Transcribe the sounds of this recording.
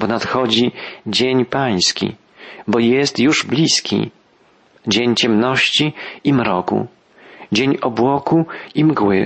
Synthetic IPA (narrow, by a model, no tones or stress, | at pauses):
pɔnat̪xɔd͡ʑid͡ʑeɲpaj̃skʲḭ | bɔjɛst̪juʐblʲiskʲḭ | d͡ʑeɲt͡ɕɛmnɔɕt͡ɕiimɾɔkṵ | d͡ʑeɲɔbwɔkuimɡwɘ̰